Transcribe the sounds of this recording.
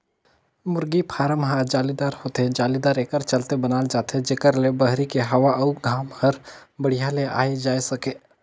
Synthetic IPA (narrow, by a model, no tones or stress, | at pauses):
mʊɾɡipʰaːɾəmɦad͡ʒaːlid̪aːɾhoːt̪ed͡ʒaːlid̪aːɾeːkəɾt͡ʃəlt̪ebənaːld͡ʒaːt̪ed͡ʒeːkəɾlebəɦɾikeɦɐʋaʔəuɡʱaːmhəɾbəɽ̤ijalea̰ːed͡ʒaːesəkeː